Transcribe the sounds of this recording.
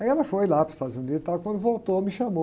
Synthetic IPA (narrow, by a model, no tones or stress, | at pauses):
iɛlɐfojlapɾʊzist̪ad̪ʊzunid̪ʊst̪akwɐ̃nd̪ʊvowt̪omɪʃɐmo